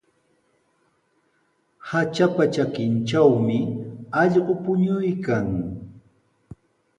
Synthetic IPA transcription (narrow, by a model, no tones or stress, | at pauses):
hat͡ʃapat͡ʃakɪnt͡ʃawmɪɑʎɢopʊɲʊjkaŋ